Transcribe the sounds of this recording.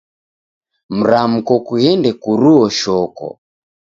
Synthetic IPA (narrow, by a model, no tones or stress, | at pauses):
m̩ɾam̩kɔkuhɛndɛkuɾuɔʃɔkɔ̰